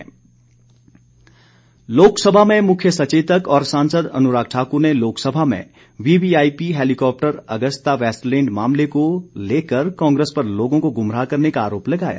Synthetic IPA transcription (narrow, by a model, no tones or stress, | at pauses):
loːksəbʱamẽmʊkʰjəsɐt͡ʃeːt̪əkɔːɾsãːnsəd̪ɐ̰nʊɾaːɡ̚ʈʰaːkuɾneloːksəbʱamḛ̃ | ʋiːbiaːipiɦeːlikɔːp̚ʈəɾɐɡəst̪aʋɛːsʈlẽːɳɖmaːmlekoleːkəɾkɔ̃ːŋɡɾeːspɐɾloːɡõkoɡʊmɾaːkɐɾnekaaːɾoːplɐɡaːja̰ː